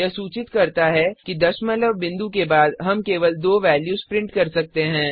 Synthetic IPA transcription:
jɐsuːt͡ʃɪt̪kɐɾt̪aɦɛkid̪ɐʃmələbːɪ̃nd̪ukebaːd̪ɦɐmkeːʋəld̪oːʋɛːljuːzpɾɪ̃ɳʈkɐɾsɐk̚t̪eɦɛ̃ː

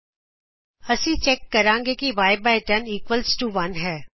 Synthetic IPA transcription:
ɐsĩt͡ʃɛkːɐɾãːŋɡekiʋaːɪbaːɪʈəniːkʋəlsʈuʋɐnɦɛː

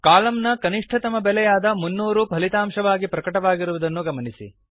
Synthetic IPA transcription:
kaːlɐmnɐkɐniʂʈʰɐt̪ɐmɐbɛlɛjaːd̪ɐmunːuːɾupɐlit̪aːmʂɐʋaːɡipɾɐkɐʈɐʋaːɡiɾuʋud̪ɐnːuɡɐmɐnisḭ

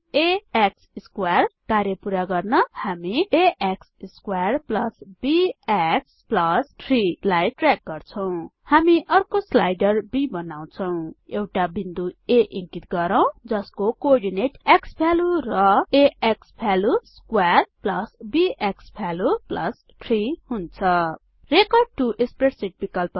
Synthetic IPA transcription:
eeksiskwarkarjʌpuɾaɡʌrnʌhamieʔeksskwarplʌsbieksplʌsʈʰrilajʈrek̚ɡʌrt͡sʰʌw̃hamiʔʌrkoslajɖʌrbibʌnaw̃t͡sʰʌw̃ewʈabind̪ueʔĩŋkit̪ɡʌɾʌw̃d͡zʌskokoɖineʈekspʰaluɾʌeekspʰaluskwarplʌsbiʔekspʰaluplʌ̰s | ʈʰrihunt͡sʰʌ | rekʌrɖ̚ʈuʔekspreʈsiʈ̚bikʌlp

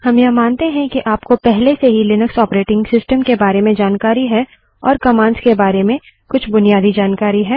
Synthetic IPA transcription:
hɐmjɐmãːnt̪eɦɛ̃kiʔaːpkopɛɦleseɦilɪnəksɔːpɾeːʈɪ̃ŋɡsɪsʈəmkebaːɾemẽd͡ʒaːnkaːɾiɦɛː | ɔːɾkɐmãːnskebaːɾemẽ | kʊt͡ʃʰbʊnijaːd̪id͡ʒaːnkaːɾiɦɛː

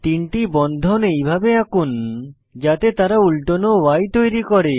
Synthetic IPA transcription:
t̪iɳʈibɔnd̪ʱonejbʱabeakun | d͡ʑat̪et̪aɾaulʈonowajt̪ojɾikɔɾe

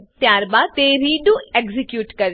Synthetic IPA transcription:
t̪jaːɾbat̪eɾiːɖũekzɪkjuːʈkɐɾ

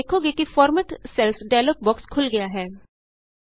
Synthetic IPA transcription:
eːkʰoɡekifɔːɾməʈsɛlsɖaɪloːk̚bɔːkskʰʊlɡɐjaɦɛː

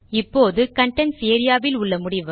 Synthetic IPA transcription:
ɪpːoːðɯkɐɳʈːɐnseːɾɪjaːʋɪlʊɭːɐmʊɽɪʋɯ

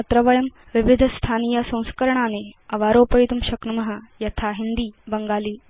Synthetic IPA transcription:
ɐt̪ɾɐʋɐjɐm | ʋiʋid̪ʱst̪ʰaːnijasɐ̃w̃skɐɾɳaːneɐʋaːɾoːpɐid̪umɕɐknɐmɐɦɐjɐt̪ʰaɦind̪iːbɐŋɡaːliː

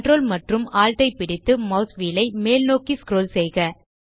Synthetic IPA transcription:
ʈrɾoːlmɐʈrɯmaːlt̪ɐɪpːɪɽɪt̪ːɯmɐʊsʋiːlɐɪmeːlnoːkiskɪɾoːlsɛjɣɐ

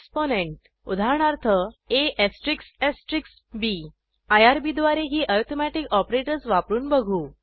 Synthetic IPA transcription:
sponeɳʈ | ud̪ʱaɳaɾt̪ʰəeʔesʈɾiksesʈɾiks | bi | ajaɾbid̪ʋaɾeɦiːʔɔɾt̪ʰomæʈikɔpɾeʈəɾsʋapɾuːnbəɡʱuː

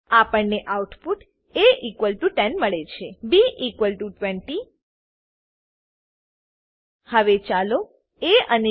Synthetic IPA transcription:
apəɳneʔauʈpuʈ | eʔikʋəlʈuʈɛnməɭet͡ʃʰebiʔikʋəlʈuʈʋɛ̃ɳʈi | həʋet͡ʃalo | eəne

